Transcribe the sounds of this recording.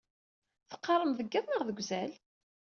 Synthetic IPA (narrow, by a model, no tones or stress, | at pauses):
θə̥qːɑɾˤəmðəɡːæθnəʁðəɡʷzæl